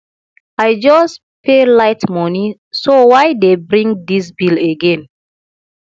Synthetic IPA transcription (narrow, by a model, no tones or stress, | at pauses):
ajd͡ʒɔs | pʰelaɪtmɔnisowajdebɹĩŋd̪is̬bileɡɛ̃n